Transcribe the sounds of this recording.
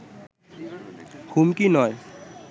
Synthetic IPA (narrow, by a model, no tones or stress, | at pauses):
humkinɔj